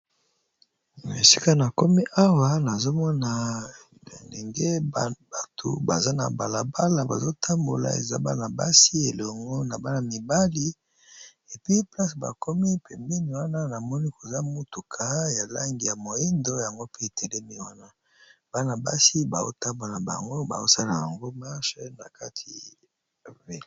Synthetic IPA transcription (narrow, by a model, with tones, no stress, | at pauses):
na˨e˨si̥˦ka˦na˨ko˦mi˦ʔa˦wa˦na˨zo˦mɔ˦na˨ | e˨nlḛ˨ŋɡe˦ba˨tʰo̰˨ba̰˨za˦na̰˨ba˨la˨ba˦la˨ba̰˨zo˦tʰa˦mbo˨la̰˨ḛ˨za̰˦ba̰˦na˨ba̰˦si˦e˨lɔ˨ŋɡɔ˦na˨ba˦na˨mi˨ba˦li˦ | e˨pi˦pla˦sba̰˨kɔ˦mi˦pɛ˨mbi˦ni˨wa˦na˦na˨mɔ˦ni˦ko˨za˦mu˦tu˨kʰa˦ja˨la˦ŋɡi˨ja˨mo˨e˦ndo˦ja˨ŋɡo˦pe˦e˨tʰɛ˨lɛ˦mi˦wa˦na˦ | b̥a˦na˨ba˦si˦ba˨zo̰˦ta˦mbo˨la˨ba̰˨ŋɡo˦ba̰˨zo˦sa˦la˨ja̰˨ŋɡo˦ma˦ʃna̰˨ka˦tʰi˨ | vi˨l